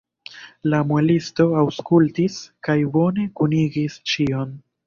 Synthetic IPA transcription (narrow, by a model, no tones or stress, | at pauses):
lamuelisto̞awskultiskajbo̞ne̞kuniɡist͡ʃio̞n